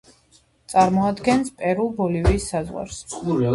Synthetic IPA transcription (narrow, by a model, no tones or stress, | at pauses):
t̪sʼaɾmɔad̪ɡɛnspʼɛɾulˠbɔlivisːazʁwa̰ɾs